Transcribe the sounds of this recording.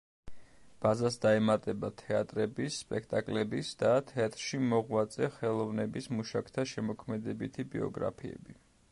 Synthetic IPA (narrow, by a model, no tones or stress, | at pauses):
b̥azasd̪aɛmat̪ʼɛbat̪ʰɛat̪ʼɾɛbisːpʼɛkʰt̪ʼakʼlɛbisd̪̥at̪ʰɛat̪ʼɾʃimɔʁwat̪sʼɛχɛlˠɔvnɛbismuʃakʰt̪ʰaʃɛmɔkʰmɛd̪ɛbit̪ʰibḭɔ̰ɡɾa̰pʰiɛ̰bi